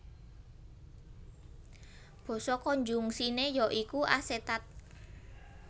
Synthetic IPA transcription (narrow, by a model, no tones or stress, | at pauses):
b̥ɔ̤sɔkɔɲd͡ʒuŋsinejɔʔikuʔaset̪at̪̚